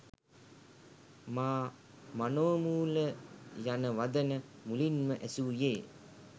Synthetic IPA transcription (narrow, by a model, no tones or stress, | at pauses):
maː | manoːmuːləjanəʋad̪ənə | mulinməʔæsuːjeː